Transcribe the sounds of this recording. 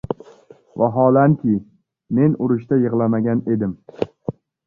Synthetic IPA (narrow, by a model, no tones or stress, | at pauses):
vaɦɒlankʲɪ | me̞nʊɾʊʃt̪ajɨʁlˠamaɡʲane̞d̪ɪm